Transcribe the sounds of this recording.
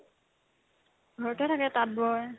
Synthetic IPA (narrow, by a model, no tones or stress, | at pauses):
ɡʱɔɹtɛtʰakɛtat̚bɔɹ